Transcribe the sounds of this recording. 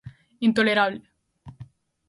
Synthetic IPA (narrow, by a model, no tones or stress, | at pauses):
int̪oleɾaːβl